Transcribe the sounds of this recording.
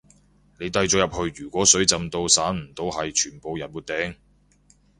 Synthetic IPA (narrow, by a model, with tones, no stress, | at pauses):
ne˨˧jt̪ɐ˨˧jt͡sɔː˨˧jɐ˨p̚hɵ˧ɥɥyː˨˩kʷɔː˨˥sɵ˨˥ɥt͡sɐ˨mt̪o˧wsaː˨˥nm̩˨˩t̪o˧wɦɐ˨jt͡ʃʰyː˨˩npo˨˧wjɐ˨˩nmuː˨˧t̪̚ɛː˨˥ŋ